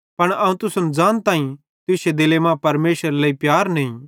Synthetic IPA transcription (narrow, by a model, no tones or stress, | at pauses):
pɐɽ̃ɐːũt̪ʊsʊnd͡ʒaːnt̪ãːĩ | t̪ʊsed̪ɪlemãpɐɾmeːʃəɾlɐːipjaːɾnɐĩ